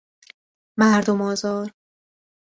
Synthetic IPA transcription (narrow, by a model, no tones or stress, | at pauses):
mæɾd̪omɒːzɒːɾ